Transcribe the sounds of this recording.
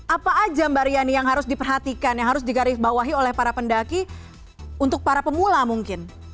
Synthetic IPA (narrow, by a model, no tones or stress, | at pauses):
ʔapaʔːd͡ʒambaɾianijaŋɦaɾʊsdipərɦat̪ikanjaŋɦaɾʊs̬dikaɾɪhbawaɦiolɛhpaɾapəndaki | unt̪ʊk̚paɾapəmulamuŋkɪn